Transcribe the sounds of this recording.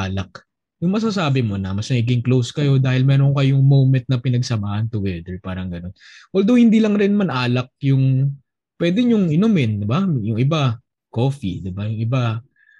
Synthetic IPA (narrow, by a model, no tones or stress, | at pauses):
ʔaːlɐk̚ | jʊŋmɐs̬asaːbɪmo̞nɐmɐsnɐɡɪɡɪŋklowskɐjo̞d̪aːhɪlmɛːɾoŋkɐjʊŋmowmɛnt̪̚nɐpɪnɐɡsɐmaːʔɐnt̪ʊwɛd̪ɛɹpaːɾɐŋɡɐno̞nwɐld̪owhɪnd̪iːlɐŋɾɪnmɐnʔaːlɐk̚jʊŋ | pwɛːd̪ɛɲjʊŋɪnomɪnd̪ɪbajʊŋʔɪba | ko̞ːfḭd̪ɪbajʊŋɪba